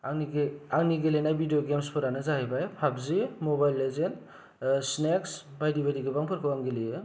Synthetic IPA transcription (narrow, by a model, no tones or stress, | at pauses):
aiɡaŋniɡelenajbidijoɡemspʰɯɾanɯzaɦibajpʰabzimɔbajlːezen | sneksbajdibadiɡɯbaŋpʰɯɾkʰɯwaŋɡelijɯ